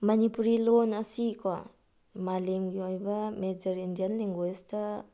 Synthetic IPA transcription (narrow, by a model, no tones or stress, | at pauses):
manipuɾilɔnasikwa | malemɡiajbamed͡ʒaɾindianliŋɡwɛst̪a